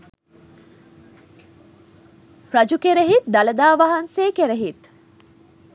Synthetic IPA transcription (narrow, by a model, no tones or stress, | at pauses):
fɾɐd͡ʒukeɾeɦit̪̚d̪ɐlɐd̪aːʋɐɦɐnseːkeɾeɦit̪